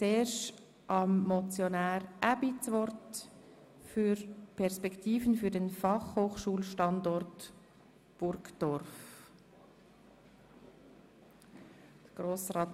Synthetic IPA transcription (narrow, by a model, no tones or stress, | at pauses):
t͡seːʃ | ʔɑmːɔt͡sjonæːɾʔæbit͡sʋɔrt | fyɾpʰɛɾspɛktiːfənfyɾdɛnfɑχhoːχʃuːlʃtɑndɔrt | b̥ʊɾɡd̥ɔrf | d̥əɡ̥ɾoːsɾɑːt